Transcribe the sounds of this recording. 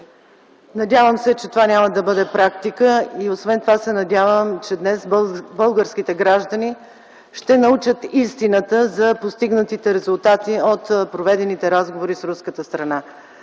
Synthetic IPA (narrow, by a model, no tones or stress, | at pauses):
nɐd̪ʲavəmsɛt͡ʃɛt̪ovanʲaməd̪ɐbɤd̪ɛpɾakt̪ikəiosvɛnt̪ovasɛnɐd̪ʲavəmt͡ʃɛd̪nɛsbɤlˠɡəɾsk̟it̪ɛɡɾaʒd̪əni | ʃt̪ɛnɐut͡ʃət̪ist̪inət̪əzɐpost̪iɡnət̪it̪ɛɾɛzʊlˠt̪at̪iot̪pɾovɛd̪ɛnit̪ɛɾazɡovoɾisɾuskət̪əst̪ɾɐna